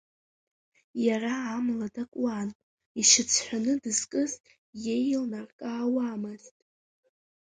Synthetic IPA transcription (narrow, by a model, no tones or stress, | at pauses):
jaraːmladakʷʼwan | iʃɪt͡sʰħʷᶣanɨdɨzkʼɨz | je̞jlnarkʼaːwaːmɨztʼ